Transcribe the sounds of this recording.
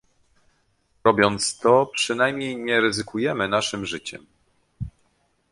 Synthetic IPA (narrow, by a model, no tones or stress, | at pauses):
ɾɔbʲjɔnt̪st̪ɔpʂɘnajmɲejɲɛɾɘzɘkujɛmɘn̪aʂɘmʐɘt͡ɕɛ̰m